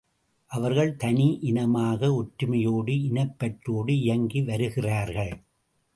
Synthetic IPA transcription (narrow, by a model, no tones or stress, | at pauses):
ʔɐʋɐɾɣɐɭt̪ɐniʔɪnɐmaːɣɐʊʈɾɯmɐjoːɽɯɪnɐpːɐʈɾoːɽɯɪjɐŋɡiʋɐɾɯɣɪraːɾɣɐɭ